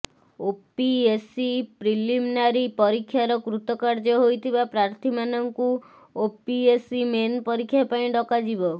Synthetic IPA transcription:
opiesipɾiliminaɾipɔɾikʰːjaɾɔkɾut̪ɔkaɾd͡ʒɔɦojt̪ʰibapɾaɾt̪ʰimanɔŋku | opiesimenpɔɾikʰːjapaĩɖɔkad͡ʒibɔ

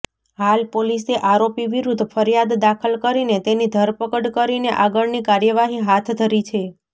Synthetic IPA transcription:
halpoliseʔaɾopiʋiɾud̪ʱfəɾjad̪ːakʰəlkəɾinet̪enid̪ʱəɾpəkəɽkəɾineʔaɡəɭnikaɾjəʋaɦiɦat̪ʰd̪ʱəɾit͡ʃʰe

